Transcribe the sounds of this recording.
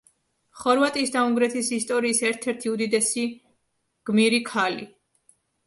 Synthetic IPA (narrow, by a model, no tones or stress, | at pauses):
χɔɾvat̪ʼisd̪auŋɡɾɛt̪ʰisist̪ʼɔɾiːsɛɾt̪ʰɛɾt̪ʰiud̪id̪ɛsi | ɡ̥miɾikʰalḭ